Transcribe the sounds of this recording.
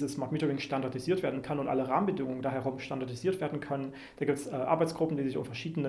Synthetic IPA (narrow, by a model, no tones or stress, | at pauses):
zəsmaɐtmiːtəɪŋʃtandaɐdiziːɐtv̥eːɐdn̩kʰanʊntʔa̰ləʁa̰ːmənbədɪŋʊŋəndaːɦɛɐʁʊmʃtandaɐdiziːɐtv̥eːɐdn̩kʰœnən | d̥aːɡiːptsʔɛːʔa̰ɐbaɪt͡ssɡ̥ʁʊp̩diːzɪçʊ̰mfɛɐʃiːdənə